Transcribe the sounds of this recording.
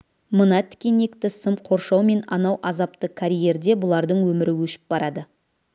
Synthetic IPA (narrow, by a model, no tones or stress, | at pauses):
mənɑt̪ʰɪ̥kʲene̞kt̪ɪsəmqʰo̞ɾʃɑwme̞nɑ̰nɑwʔɑzɑp̚t̪əkʰaɾʲije̞ɾd̪e̞bʊlˠɑɾd̪əɴwɵmɪɾɪwɵʃɪ̥p̚bɑɾɑd̪ə